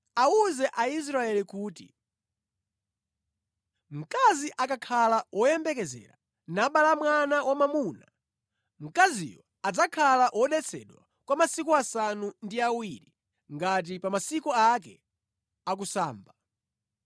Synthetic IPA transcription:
auzɛʔais̬ɾaɛlikuːtḭ | m̩kaziʔakakʰalawʔɔjɛmbɛkɛzɛ̰ɾa̰ | naɓalamwanawamamuna | ŋ̩kazḭjɔ | ad͡zakʰalaʔwʔɔɗɛt͡sʰɛ̰ɗwa | kwamasikuasanundiawiɾi | ŋɡat̬ipamasikɔakɛ̰ | ak̬usa̰ːmba

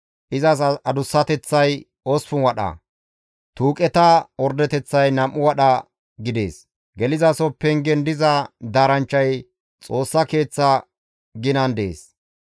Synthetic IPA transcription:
ʔɪzɐs̬ɐd̪ʊsːɐt̪ɛt͡sːɐj | ɔsfʊnwɐɗɐ̰ | t̪uːkʼɛt̪ɐwɔɾd̪ɛt̪ɛt͡sːɐjnɐmʔːʊwɐɗɐ | ɡɪd̪e̞ːs | ɡɛlɪzɐsɔpːɛŋɡɛnd̪ɪzɐd̪aːɾɐnt͡ʃːɐj | t͡sʼo̞ːsːɐke̞ːt͡sːɐ | ɡɪnɐnd̪ḛːs

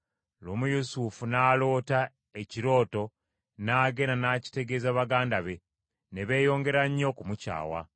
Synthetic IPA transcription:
loːmujusufunaːlo̞ːta | eciɾo̞ːto̞ | naːɡe̞nanaːci̥te̞ɡe̞ːzaβaɡaːndaβe̞ | ne̞βe̞ːjo̞ːŋɡe̞ɾaɲːo̞kumuca̰ːwa̰

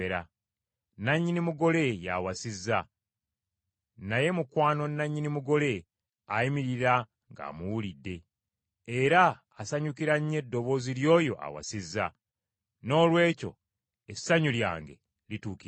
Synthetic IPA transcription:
eɾa | naɲːinimuɡo̞le̞ja̰wasizːa | naje̞mukwaːno̞nːaɲːinimuɡo̞le̞ | aimiɾiɾa | ŋɡa̰ːmuwulidːe̞ | eɾaː | saɲukiɾaɲːe̞dːo̞βo̞ːziljo̞ːjo̞̰ʔa̰wa̰sizːa | no̞ːlwe̞ːco̞̰ | esaɲulja̰ːŋɡe̞̰ | lituːki

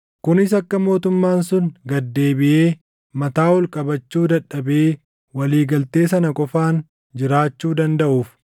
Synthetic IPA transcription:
kʊnɪs̬ɐkːɐmo̞ːt̪ʊmːaːnsʊnɡɐd̪ːe̞ːbɪʔe̞ː | mɐt̪aːwɔlkʼɐbɐt͡ʃːuːd̪ɐᶑːɐbe̞ː | wɐliːɡɐlt̪e̞ːsɐnɐkʼɔfaːn | d͡ʒɪɾaːt͡ʃːuːd̪ɐnd̪ɐʔuːf

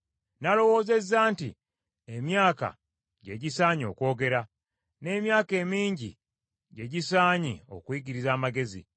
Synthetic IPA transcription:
nalo̞wo̞ːze̞zːaːntḭ | emjaːka̰ | ɟe̞ɟisaːɲo̞ːko̞ːɡe̞ɾa | ne̞ːmjaːke̞ːmiːɲɟḭ | ɟe̞ɟisaːɲio̞̰kwiɟiɾizaːmaɡe̞zḭ

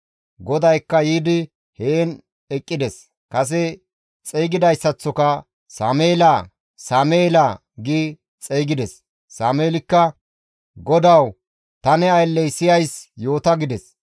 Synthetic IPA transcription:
ɡɔd̪ɐjkːɐjiːd̪ɪ | heːn | ɛkʼːɪd̪ɛs | kɐs̬ɛ | t͡sʼejɡɪd̪ɐjsːɐt͡sːɔkɐ | saːmeːlaː | saːmeːla | ɡiː | t͡sʼejɡɪd̪ɛsː | aːmeːlɪkːɐ | ɡɔd̪ɐw | t̪ɐnɛɐjlːɛjsɪjɐjsjo̞ːt̪ɐɡɪd̪ɛs

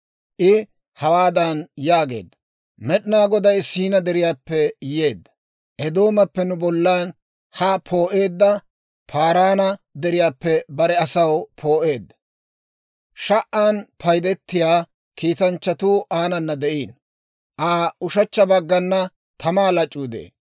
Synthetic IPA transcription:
ʔɪ | hɐwaːd̪ɐnjaːɡe̞̰ːd̪ːɐ | mɛɗɪnaːɡɔd̪ɐjsiːnɐd̪ɛɾɪjaːpːɛje̞ːd̪ːɐ̥ | ʔɛd̪o̞ːmɐpːɛnʊbɔlːaːn | hapʰo̞ːʔe̞ːd̪ːɐ | pʰaːɾaːnɐd̪ɛɾɪjaːpːɛbɐɾɛɐsɐwpʰo̞ːʔe̞ːd̪ːɐ̥ | ʃɐʔaːnpʰɐjd̪ɛt̪ːɪjaː | kiːt̪ɐnt͡ʃːɐt̪uːʔaːnɐnːɐd̪ɛʔiːn | ʔaːʊʃɐt͡ʃːɐbɐɡːɐnːɐ | t̪ʰɐmaːlɐt͡ʃʼːuːd̪ḛː

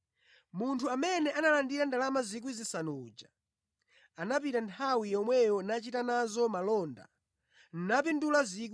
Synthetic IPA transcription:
muntʰuamɛnɛʔanalandiɾandalamazik̬wizisanuːd͡ʒḁ | anap̬itantʰawijɔmwɛjɔnat͡ʃitanazɔmalɔːnda̰ | n̩nap̬indulazik

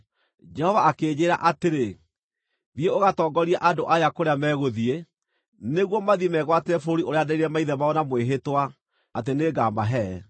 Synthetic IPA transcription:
d͡ʒɛhɔvaakeːd͡ʑeːɾa̰ʔateɾe | vjeoɣatɔːɡɔɾiaʔadoʔajakoɾeamɛːɣoðie | neɣwɔmaðimɛɣwateɾɛfooɾioɾeadaiɾɛmaiðɛmaɔnamweɦetwa | ateneːɡaːmaɦɛ

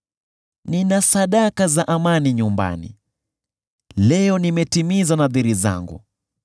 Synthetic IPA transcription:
ninasaɗakazaʔamaniɲumba̰nḭ | lɛɔnimɛtimizanaðiɾiza̰ŋɡṵ

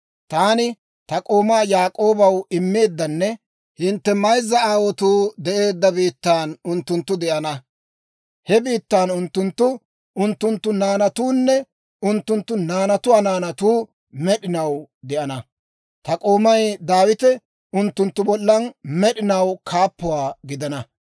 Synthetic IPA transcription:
t̪aːnɪ | t̪ɐkʼo̞ːmaːjaːkʼo̞ːbɐwɪmːe̞ːd̪ːɐnːɛ | hɪnt̪ːɛmɐjzːɐaːwɔt̪uːd̪ɛʔe̞ːd̪ːɐbiːt̪ːaːnʊnt̪ːʊnt̪ːʊd̪ɛʔɐnɐ | hɛbiːt̪ːaːnʊnt̪ːʊnt̪ːʊ | ʊnt̪ːʊnt̪ːʊnaːnɐt̪uːnːɛ | ʊnt̪ːʊnt̪ːʊnaːnɐt̪ʊwaːnaːnɐt̪uː | mɛɗɪnɐwd̪ɛʔɐnɐ | t̪ɐkʼo̞ːmɐjd̪aːwɪt̪ɛ | ʊnt̪ːʊnt̪ːʊbɔlːɐnmɛɗɪnɐwkʰaːpːʊwaːɡɪd̪ɐnɐ

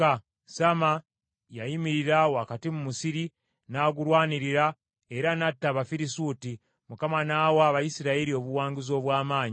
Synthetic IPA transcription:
a | sama | jaimiɾiɾawakatimumusiɾi | naːɡuɾwaːniɾiɾa | eɾanatːaβafiɾisuti | mukamanaːwaβajisiɾaeɾio̞βuwaːŋɡizo̞βwaːmaːɲi

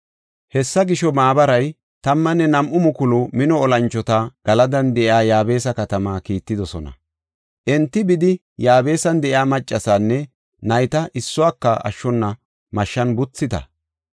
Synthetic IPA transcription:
hɛsːɐɡɪʃɔmaːbɐɾɐj | t̪ɐmːɐnːɛnɐmʔʊmʊkʊlʊmɪnɔːlɐnt͡ʃːɔt̪ɐɡ̥ɐlɐd̪ɐnd̪ɛʔɪaːjaːbe̞ːsɐkɐt̪ɐmaːkiːt̪ːɪd̪ɔsɔnɐ̰ | ʔɛnt̪ːɪbɪd̪ɪ | jaːbe̞ːsɐnd̪ɛʔɪaːmɐt͡ʃʼːɐsaːnːɛ | nɐjt̪ɐʔɪsːʊwaːkːɐʔɐ̰ʃːɔnːɐ | mɐʃːɐnbʊt͡sːɪt̪ɐ̰

